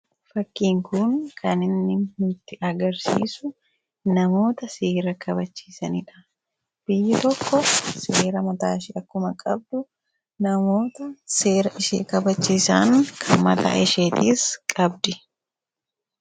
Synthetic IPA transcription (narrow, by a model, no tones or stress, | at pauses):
fɐkːiːŋkʊnkʰɐnɪnːɪhʊt̪ːɪʔɐɡɐɾsḭːsʊ | nɐmo̞ːt̪ɐseːɾɐkɐbɐt͡ʃːiːsɐnɪᶑɐ̥ | b̥ɪjːɪt̪ɔkːɔseːɾɐmɐt̪aːʃɪʔɐkːʊmɐkʼɐb̚d̪ʊ | nɐmo̞ːt̪ɐse̞ːɾɐʔɪʃḛːkɐbɐt͡ʃːiːsaːŋkʰɐmɐ̰t̪a̰ːɪʃeːt̪iːskʼɐbd̪ɪ